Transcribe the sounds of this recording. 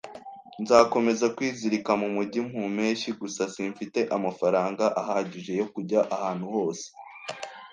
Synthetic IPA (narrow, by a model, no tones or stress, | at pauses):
nzaːko̞me̞zakwiːziɾikamumuɟim̥hume̞ːʃiɡusasiːɱfite̞ʔamafaɾaːŋɡaʔaɦaːɟiʒe̞jo̞kuɟaʔahaːn̥huho̞ːse̥